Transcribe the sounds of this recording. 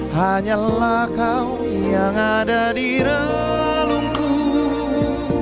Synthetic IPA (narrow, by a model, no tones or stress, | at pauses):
haɲalahkaw | jaŋadadiɾa | luŋku